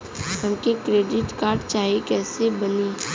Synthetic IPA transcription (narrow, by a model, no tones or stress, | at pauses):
tɐmkekɾeːɖɪʈkaːɾɖt͡ʃaːikɛːsebɐniː